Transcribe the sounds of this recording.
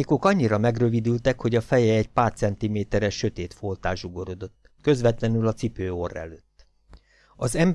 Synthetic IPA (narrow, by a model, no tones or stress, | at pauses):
eko̞kɒɲːiɾɒmɛɡrø̞vid̪ylt̪ɛkho̞ɟɒfɛjɛːɟpaːrt̪sɛnt̪imeːt̪ɛɾɛʃːø̞t̪eːt̪folt̪aːʒuɡo̞ɾod̪o̞t̪ːkø̞zʋɛt̪lɛnylɒt̪sipøːorːɛ̰løːt̪ː | ɒzɛmb